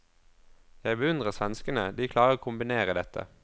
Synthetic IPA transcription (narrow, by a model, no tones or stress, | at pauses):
jæɪbəʉnd̪ʁəʁsʋɛnskənəd̪iːkʰlɑːʁəʁoːkʰʊmbɪneːʁəd̪ɛt̪ʰə̰